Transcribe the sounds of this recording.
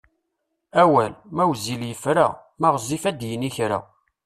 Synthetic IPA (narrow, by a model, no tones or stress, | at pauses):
æwælmæwziljəfɾa̰mæʁəzifæd̪jəniçɾa̰